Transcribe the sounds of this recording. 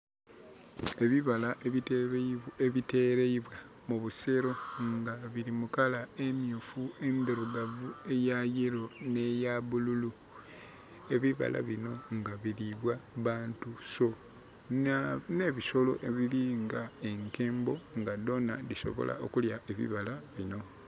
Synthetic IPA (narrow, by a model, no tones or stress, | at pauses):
e̞βiβalaʔe | eβite̞ːɾeiβwa | muβuse̞ɾo̞ŋɡaβiɾimukalaemjufue̞nd̪eɾuɡavue̞jajeɾo̞ne̞jaβululu | e̞βiβa̰lʔa̰βino̞ŋɡaβiɾiβwaβaːntuso̞ | ne̞ːβiso̞lo̞̰ʔeβiliŋɡae̞ŋke̞ːmbo̞ŋɡado̞na̰diso̞̰βo̰lʔa̰ʔo̰kuljaʔeβḭβalaβino̞